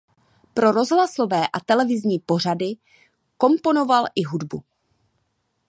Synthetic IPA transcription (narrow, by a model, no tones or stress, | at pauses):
pɾo̞ɾo̞zɦlaso̞vɛːʔat̪ɛlɛvɪzɲiːpo̞r̝adɪ | ko̞mpo̞no̞valʔɪɦudbṵ